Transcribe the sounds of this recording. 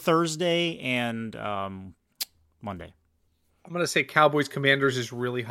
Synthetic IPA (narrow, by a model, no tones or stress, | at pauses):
θɜ˞zdeɪɨ̃nʌ̃ | wʌ̃ndḛɪ̃ | ɪ̃mɡʌnɨseɪkʰaʊbɔɪz̥kʰəmæ̃ndə˞zɨzɹɪlˠiɦ